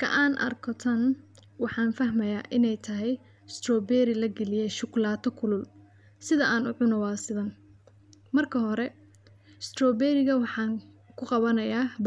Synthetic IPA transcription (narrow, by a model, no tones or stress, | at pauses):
kʰɐ̰ʔaːnʔɐ̰rkʰɔt̪ʰɐn | wɑħɑːnfɐɦmɐja̰ːʔɪnɛjt̪ʰɐɦɛj | st̪rɔːbɛɾɪlɐɡɛlɪjɛʃʊɡlaːt̪ʰɔkʰʊlʊl | sɪðɐʔaːnʊʕʊnɔwɑːsɪðɐn | mɐrkʰɐɦɔɾɛ | st̪rɔːbɛɾɪɣɐwɑħɑːŋ | kʰʊqɑβɐnɐjaːb